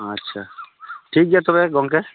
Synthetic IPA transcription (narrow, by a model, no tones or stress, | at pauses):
ətːʃʰaʈʰik̚d͡ʒat̪obeɡɔŋke